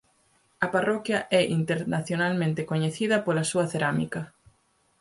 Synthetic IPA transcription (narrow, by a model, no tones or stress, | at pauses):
ɐparɔkjɐʔɛʔint̪eɾnaθjonalmẽnt̪ekoɲeθiðɐpolɐsuɐθeɾamikɐ